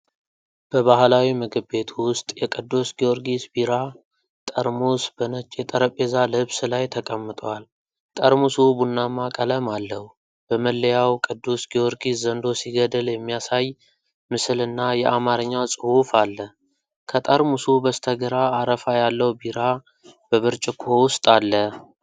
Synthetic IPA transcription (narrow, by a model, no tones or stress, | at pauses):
b̥əβahlawiməɡɨbe̞t̪ʰwʊst̪ʼjɛkʼɨd̪ːusɡioɾɡisbiɾa | t̪ʼəɾmusbənət͡ʃʼjɛt̪ʼəɾəpʼe̞zalɨɨβsɨlajt̪ʰəkʼəmːɨt̪ʼwal | t̪ʼəɾmusubunːamːakʼələmalːəhu | b̥əməlːəjawkʼɨd̪ːusɡioɾɡiszənd̪o̞siɡəd̪əljɛmːijasaj | mɨsɨlɨnːajɛʔamaɾɨɲːasʼɨhufalːə | kʰət̪ʼəɾmusubəst̪ʰəɡəɾaːɾəfajalːəwbiɾa | b̥əβəɾt͡ʃʼɪkʰo̞wʊst̪ʼalːə